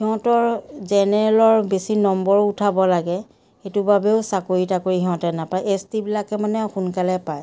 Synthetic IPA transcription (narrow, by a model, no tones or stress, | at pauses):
hiɦɔ̃tɔɹzɛnɛɹɛlɔɹbesinɔmbɔɹutʰabɔlaɡɛ | xetʊbabɛʊsakoɹitakoɹiɦiɦɔ̃tɛnapajʔestibilakɛmanɛxunkalɛpaj